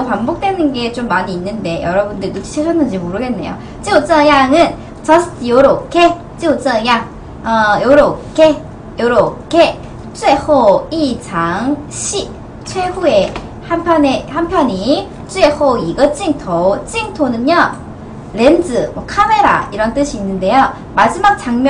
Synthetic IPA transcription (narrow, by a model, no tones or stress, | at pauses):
opambok̚t͈we̞nɯnɡe̞t͡ɕomːaɲiːnːɯnde̞jʌɾʌbundɯɾtut͡ɕʰi̥t͡ɕʰesʰʌnːɯnd͡ʑimoɾɯɡe̞nːe̞̰jo̰ | t͡ɕ͈iot͡ɕ͈ʌjaŋɯn | t͡ɕʌsʰɯ̥tʰijoɾokʰe | t͡ɕ͈iot͡ɕ͈ʌjaŋ | ʌjoɾok͈e | joɾokʰe | t͡ɕ͈ʰuehoid͡ʑaŋɕʰi | t͡ɕʰwe̞ɸue | hampʰjʌnehampʰjʌni | t͡ɕ͈uehoiɡʌt͡ɕ͈iŋtʰot͡ɕ͈iŋtʰonɯnʌ | ɾend͡ʑɯmwʌkʰame̞ɾa̰iɾʌnt͈ɯɕʰiːnːɯnde̞jo | mad͡ʑimak̚t͡ɕ͈aŋmj